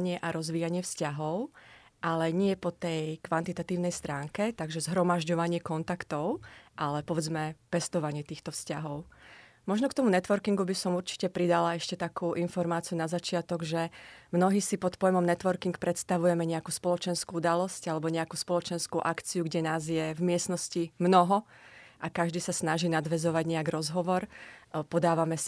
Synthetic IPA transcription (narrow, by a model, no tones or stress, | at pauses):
ɲɪɛʔaɾɔzʋiːjaɲɪɛfscaɦɔʊ | ʔalɛɲɪɛpɔt̪ɛjkʋant̪it̪at̪iːʊnɛjst̪ɾaːŋkɛt̪aɡʒɛzɦɾɔmaʒɟɔʋaɲɪɛkɔnt̪akt̪ɔʊʔalɛpɔʋɛd͡zmɛpɛst̪ɔʋaɲɪɛt̪iːxt̪ɔfscaɦɔʊ | mɔʒnɔkt̪ɔmunɛt̪ʋɔɾkiŋɡubisɔmuɾt͡ʃi̥cɛpɾid̪alaɛʃcɛt̪akuːʔinfɔɾmaːt͡siunazat͡ʃɪat̪ɔɡʒɛmnɔɦiːsipɔt̪pɔjmɔmnɛt̪ʋɔɾkiŋkpɾɛt̪st̪aʋujɛmɛɲɛakuːspɔlɔt͡ʃɛnskuud̪alɔscalɛbɔɲɛakuːspɔlɔt͡ʃɛnskuʔakt͡siuɡɟɛnaːzjɛvmɪɛsnɔscimnɔɦɔʔakaʒd̪iːsasnaʒiːnad̪ʋɛzɔʋaɟɲɛaɡɾɔzɦɔʋɔɾpɔd̪aːʋamɛs